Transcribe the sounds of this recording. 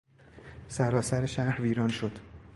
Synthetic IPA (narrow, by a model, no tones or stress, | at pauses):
sæɾɒːsæɾeʃæhɾviːɾɒːnʃo̞d̪̥